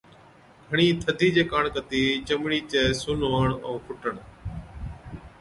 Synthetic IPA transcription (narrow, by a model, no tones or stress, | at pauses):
ɡʱəɳ̃iːt̪ʰəd̪ʱiːd͡ʑeːkaːɳkət̪iːt͡ʃəmɽiːt͡ʃeːsʊːloːəɳoːpʰʊʈəɳ